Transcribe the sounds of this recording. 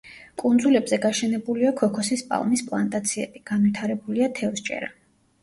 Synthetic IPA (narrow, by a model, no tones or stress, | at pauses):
kʼund̪zulɛbzɛɡaʃɛnɛbuliakʰɔkʰɔsispʼa̰lˠmispʼlˠa̰nt̪ʼat̪sʰiɛ̰b̥iɡ̥anvwit̪ʰaɾɛbuliat̪ʰɛvst͡ʃʼɛ̰ɾa